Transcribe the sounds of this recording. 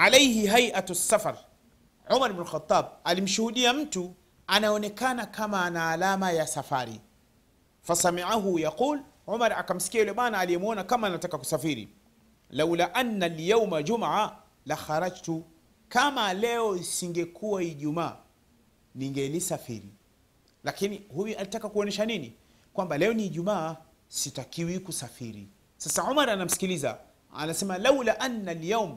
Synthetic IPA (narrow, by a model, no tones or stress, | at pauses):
ʕalejhiɦajʔatsːafaɾ | ʕumaɾbnulxat̪ˤːaːb̚alim̩ʃuhuɗiam̩tu | anaɔnɛkanakamaːnaːlamajasafaɾḭ | fasamiʕaɦujaquːl | ʕumaɾakam̩si̥kiajulɛmanaːlijɛmuɔnakamaːnatakaku̥safiɾḭ | lawlaʔanːaljawmad͡ʒumaʕa | laxaɾad͡ʒtu | kamalɛɔisiŋɡɛkʰuwaiʄumaː | niŋɡɛlisafḭɾḭ | lakinihujualitakakuɔnɛʃanini | kwambalɛɔniːʄumaː | sitakiwikusafiɾḭ | sasaʕumaɾanam̩si̥kiliza̰ | a̰nasɛmalawlaʔanːaljawm